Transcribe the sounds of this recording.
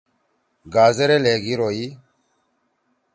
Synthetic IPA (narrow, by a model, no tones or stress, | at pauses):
ɡazeɾelɛɡiɾoji